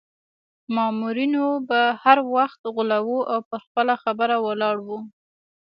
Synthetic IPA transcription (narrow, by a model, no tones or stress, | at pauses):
mɑmuɾinobahaɾwaxt̪ɣʊlawuʔawpəɾxpəlaxabəɾawəlɑɽwu